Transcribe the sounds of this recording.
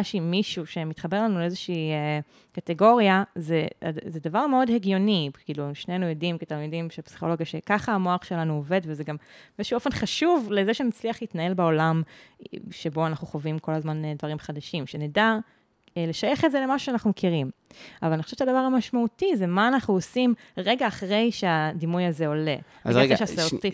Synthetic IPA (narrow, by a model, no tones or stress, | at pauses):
aʃimːiʃuʃe̞mit̪χabe̞lanuleezeʃiːe | kateɡo̞ʁjazeazed̪avaʁmeo̞dheɡjo̞nikiːluemʃnenujodimkit̪almidimʃepsi̥χo̞lo̞ɡjaʃekaχaamoaχʃelanuove̞dvezeɡambezʃuofe̞nχaʃuvlezeʃenat͡sliaχlitnae̞lbao̞lam | ʃebo̞anaχnuχovimko̞lazmand̪vaʁimχad̪aʃimʃeneda | ele̞ʃaje̞χetzele̞maʃuʃeanaχnumekʰiʁimavalanioʃevʃead̪avaʁamaʃmautizemaːnaχnuosimʁe̞ɡaːχʁe̞jʃead̪imujazeo̞le̞̰ | zeeɡaʃaseot̪i